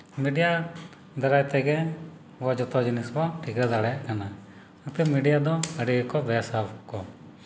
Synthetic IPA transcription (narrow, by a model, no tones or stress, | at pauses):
miɖija | d̪ɐɾajt̪ɛɡɛ | ʋɔd͡ʒɔt̪ɔd͡ʒinisbɔʈʰikɾad̪aɽɛjaʔkana | at̪ɛmiɖijad̪ɔəɖiɡkɔbɛsapʰkɔ